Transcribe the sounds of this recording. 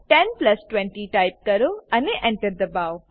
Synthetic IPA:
ʈẽnplɐsʈwẽɳʈiʈajp̚kɐɾuɐneʔɛ̃ɳʈəɾd̪əbaw

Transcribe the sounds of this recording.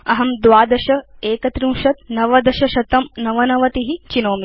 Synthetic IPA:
ɐɦɐmd̪ʋaːd̪ɐʃɐeːkɐt̪ɾiːʃɐt̪nɐʋɐd̪ɐʃɐʃɐt̪ɐmnɐʋɐnɐʋɐt̪iɦit͡ʃinoːmi

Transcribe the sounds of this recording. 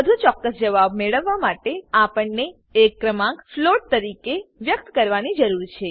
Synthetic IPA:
əd̪ʱũt͡ʃɔkːəsd͡ʒəʋab̚meɭəʋːamaʈeapəɳne | ekːɾəmãkfloʈ̚t̪əɾikeʋjək̚t̪kəɾʋanid͡ʒəɾuɾt͡ʃʰe

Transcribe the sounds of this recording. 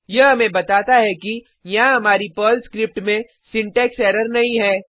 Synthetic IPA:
jɐɦɐmẽbɐt̪aːt̪aɦɛki | jɐãɦɐmaːɾipəːlskɾɪp̚ʈmẽ | sɪ̃ɳʈɛːksɛːɾəɾnɐɦĩɦɛː

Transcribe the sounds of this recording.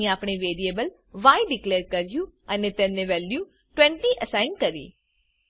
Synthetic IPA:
aːpɳ̃eːʋeːɾieːbəl | ʋaːiɖɪkleːɾkəɾjuːənẽːt̪ɛ̃ːnẽːʋɛːljuː | ʈwɛ̃ːɳʈiːʔəsaːɪnkəɾḭː

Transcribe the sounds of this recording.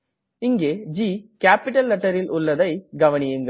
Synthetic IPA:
ɪŋɡeːd͡ʒiːkaːpɪʈɐlːɐʈːɐɾɪlʔʊɭːɐðɐɪɡɐʋɐnɪjɯŋɡɐ

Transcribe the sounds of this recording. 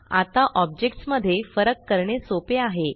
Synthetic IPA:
a̰t̪aʔɔb̚d͡ʑek̚ʈsməd̪ʱːjefəɾəkːəɾɳesopeaɦe

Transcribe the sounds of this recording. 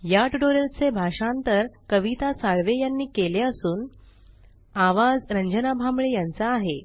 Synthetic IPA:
jaʈuʈoɾelt͡sebʱaʂant̪əɾkəʋit̪asaɭʋejanːiːkeleəsuːn | aʋad͡zɾəɲd͡ʑənabʱamɭejant͡saːɦe

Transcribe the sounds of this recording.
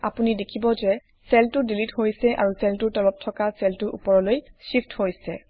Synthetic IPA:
a̰punidekʰibɔzɛ | sɛltʊdilitɦojsɛʔa̰ɹusɛltʊɹtɔlɔp̚tʰːɔkasɛltʊɹʔṵpɔɹɔlojsifthojsɛ

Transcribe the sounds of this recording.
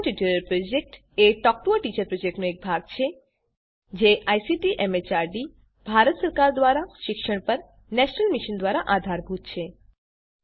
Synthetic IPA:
ʈiʈiɾəlpɾod͡ʒek̚ʈ | eʈɔk̚ʈoəʈit͡ʃəɾpɾod͡ʒek̚ʈnoek̚bʱaɡ̚t͡ʃʰe | d͡ʒeʔajsiʈiʔemet͡ʃaɾɖi | b̥ʱaɾət̪səɾkaɾd̪ʋaɾaʃɪkʃəɽ̃pəɾ | nɛʃnəlmiʃənd̪ʋaɾaʔad̪ʱaɾbʱut̪̚t͡ʃʰe

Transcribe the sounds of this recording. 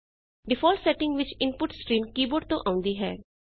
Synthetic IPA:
ɖɪfɔːlsɛʈɪ̃ŋɡʋɪt͡ʃɪ̃npʊʈskɾĩːmkiːboːɖ̚t̪oʔãːʊ̃nd̪iːɦɛ̰ː

